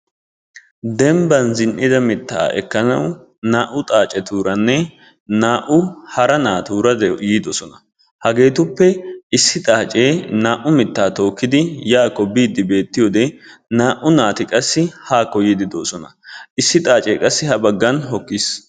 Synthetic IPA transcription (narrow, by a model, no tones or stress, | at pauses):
d̪ɛmbɐnzɪnʔɪd̪ɐmɪt̪ːa̰ːɛ̰kːɐnɐ̰w | naːʔʊt̪ʼaːt͡ʃʼɛt̪uːɾɐnːɛ | naːʔʊhɐɾɐnaːt̪uːɾɐd̪ɛjiːd̪osɔnɐ | hɐɡe̞ːt̪ʊpːɛɪsːɪt̪ʼaːt͡ʃʼe̞ːnaːʔʊmɪt̪ːaːt̪o̞ːkːɪd̪ɪjaːkːɔbiːd̪ːɪbe̞ːt̪ːɪjoːd̪ɛnaːʔʊnaːt̪ɪkʼɐsːɪhaːkːɔjid̪ɪd̪o̰ːsɔnɐʔɪsːɪt̪ʼaːt͡ʃʼe̞̰ːkʼɐsːɪhɐbɐɡːɐnɦɔkːis